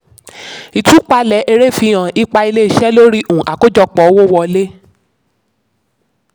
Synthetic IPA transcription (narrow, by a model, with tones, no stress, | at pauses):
i˨tũ˦k͡pa˧lɛ˨˦ʔe˧ɾe˦fi˧j̃ã˨i˦k͡pa˧i˧le˦i˨ʃɛ˦lo˦ɾi˦ʔũ˨ʔa˨ko˦d͡ʒɔ˧k͡pɔ˨˦wo˦wɔ˧le˦